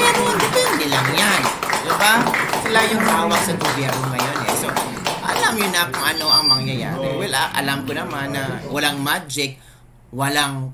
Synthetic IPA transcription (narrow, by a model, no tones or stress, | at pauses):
mɛnʊŋand̪ɪbɛnd̪ɪlɐŋjand̪ɪbasɪlajʊŋt̪awaɡsɐɡʊbjɛɾnoŋŋɐjonɛso̞ | ʔɐ̰lamjʊnakʊŋɐno̞ʔɐŋmɐŋjɐja̰ːɾɛ̰walaʔɐ̰lamkʊnɐmanːɐwɐlaŋmad͡ʒɪk̚ | wɐlaŋ